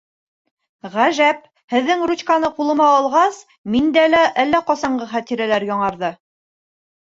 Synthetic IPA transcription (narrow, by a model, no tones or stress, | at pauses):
ʁæʒæp̚ | hɘ̆ðːɘŋrut͡ɕkanɤqulˠɤ̆mɑːlˠʁɑs | mind̪ælæʔælːæqɒsɑɴɢɤχæt̪iɾælæɾjɒɴɑɾðɤ